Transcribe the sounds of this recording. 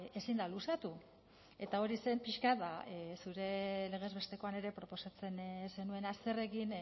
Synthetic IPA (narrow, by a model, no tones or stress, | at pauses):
e̞sind̪alusat̪u | e̞t̪ao̞ɾise̞mpiʃkaðasuɾe̞le̞ɣ̞e̞zβe̞st̪e̞ko̞ane̞ɾe̞pɾo̞po̞sat͡se̞nse̞nue̞nast̪e̞re̞kin